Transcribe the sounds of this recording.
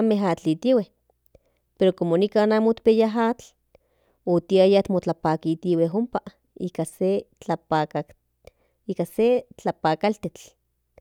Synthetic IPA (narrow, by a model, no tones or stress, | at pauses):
ameɦat͡ɬit̪iweh | peɾokomonikaːnamot̪pejaɦat͡ɬ | ot̪iajat̪mot͡ɬapaːkit̪iweɦompa | ḭkaset͡ɬaaa | ikaset͡ɬapaːkalt̪et͡ɬ